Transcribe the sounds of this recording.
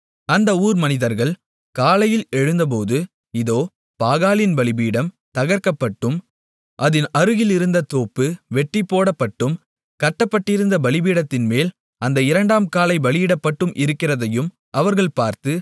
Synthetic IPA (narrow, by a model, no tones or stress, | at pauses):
ɐnd̪ɐuːɾmɐnɪðɐɾɣɐɭ | kaːlɐjɪlɛɻɯnd̪ɐp̬oːðɯ | ɪðoː | paːɣaːlɪnbɐɭɪbiːɽɐm | t̪ɐɣɐɾkɐpːɐʈːɯm | ʔɐðɪnɐɾɯɣɪlɪɾɯnd̪ɐt̪oːpːɯʋɛʈːɪpːoːɽɐpːɐʈːɯm | kɐʈːɐpːɐʈːɪɾɯnd̪ɐbɐɭɪbiːɽɐt̪ːɪnmeːl | ɐnd̪ɐɪɾɐɳɖaːmkaːlɐɪbɐlɪjɪɽɐpːɐʈːɯmʔɪɾɯkːɪrɐðɐjɯm | ʔɐʋɐɾɣɐɭpaːɾt̪ɯ